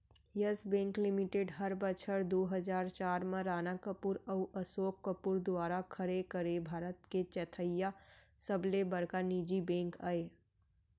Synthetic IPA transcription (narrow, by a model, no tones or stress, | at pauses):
jəsbɛ̃ːŋklɪmɪʈeɖɦəɾbət͡ʃʰəɾd̪oːɦəzaːɾt͡ʃaːɾmẽɾaːnakəpuːɾəuʔəsoːkːəpuɾd̪ʊaːɾakʰəɾekəɾebʱaːɾət̪ket͡ʃɛːt̪ʰəjːa | səblebəɾkaniːd͡ʒibɛ̃ːŋkaːeː